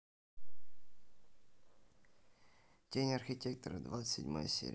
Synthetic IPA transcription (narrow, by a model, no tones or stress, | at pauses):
tʲenʲɐrxʲɪtʲek̚t̪əɾəd̪vat̪sɨ̥sʲɪ̰dʲma̰jə̰sʲḛɾʲ